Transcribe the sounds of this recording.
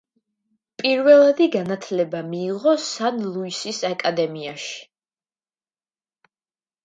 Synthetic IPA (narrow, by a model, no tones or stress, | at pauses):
pʼiɾvɛlˠad̪iɡanat̪ʰlɛbamiːʁɔsanlˠuisisakʼad̪ɛmiaʃi̥